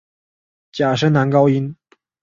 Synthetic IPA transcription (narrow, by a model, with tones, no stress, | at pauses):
t͡ɕja˨˩ʂə˥nna˧˥nkɑ˥ʊi˥n